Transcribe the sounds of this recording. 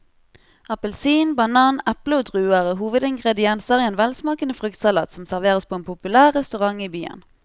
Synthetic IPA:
ʔɑpəlsiːnbɑnɑːnɛpləoːd̪ʁʉːəʁəɦuːʋəd̪ɪŋɡʁɛd̪ɪɛnsəʁieːnʋɛlsmɑːkənəfʁʏkt̪sɑlɑ̰ːt̪sɔmsæʁʋeːʁəspʰoːeːnpʰʊpʉlæːʁːɛst̪ʉʁɑŋiːbyːə̰n

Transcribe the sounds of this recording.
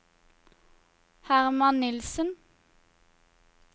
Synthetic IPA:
hæʁmɑnnɪlsən

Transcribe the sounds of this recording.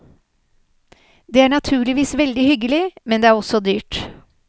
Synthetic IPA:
d̪eːæːɳɑt̪ʰʉːɭɪʋiːsʋɛld̪ɪhʏɡəlɪmɛnd̪eːæːɾɔsɔd̪yːʈ

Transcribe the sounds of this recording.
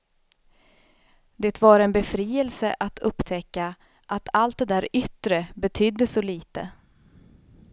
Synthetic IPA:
d̪eːt̪vaɾɛnbɛfɾiːɛlsəʔat̪ʰɵpːt̪ʰɛkːa | ʔat̪ʰalt̪̚d̪ɛd̪æːɾʏt̪ɾəbɛt̪ʰyːd̪ːəsɔliːt̪ə

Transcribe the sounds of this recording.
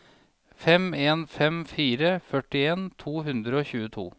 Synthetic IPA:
fɛmeːnfɛmfiːɾəfœʈɪeːnt̪ʰuːɦʉnd̪ɾəoːçʉːət̪ʰṵː

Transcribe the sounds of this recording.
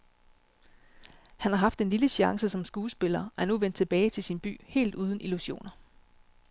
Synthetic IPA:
hænhɑ̈ɦɑ̈fd̥e̝nliləɕɑ̈ŋsəsɒ̽msɡ̥uːsb̥e̝lɐːæɐnuʋen̰d̥̚t͡sʰe̝b̥ɛːɪt͡sʰe̝lsinb̥y̰ːhe̝̰ːld̥uːð̞ˠn̩ʔiluɕo̝̰ːnɐ

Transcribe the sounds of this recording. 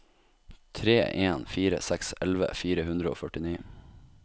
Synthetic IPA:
t̪ʰɾeːʔeːnfiːɾə̰sɛksɛlʋə̰fiːɾəhʉnd̪ɾəo̰ːfœʈɪniː

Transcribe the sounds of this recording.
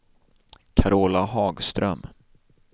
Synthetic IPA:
kʰaɾoːlahɑːɡst̪ɾœm

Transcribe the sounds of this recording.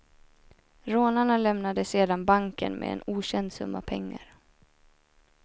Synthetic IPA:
ɾoːnaɳalɛmnad̪əseːd̪anbaŋkənmʔɛ̰ɛ̰nuːɕɛnd̪sɵ̰mːapʰɛŋːa̰ɾ

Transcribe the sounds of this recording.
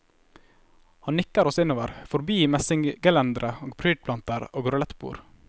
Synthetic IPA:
hɑnnɪkːəɾɔsɪnoːʋəɾfɔɾbiːmɛsɪŋɡəlɛnd̪ɾəoːɡpʰɾyːɖ̚pʰlɑnt̪əɾoːɡɾʊlɛt̪bṵːɾ

